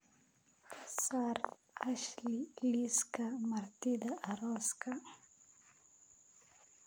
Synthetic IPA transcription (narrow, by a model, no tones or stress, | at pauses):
saɾ | aʃliliskamaɾt̪id̪aʔːɾoska